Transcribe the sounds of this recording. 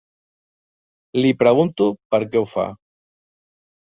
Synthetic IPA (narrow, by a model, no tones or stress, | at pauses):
lipɾeɣ̞unt̪upaɾkeufa̰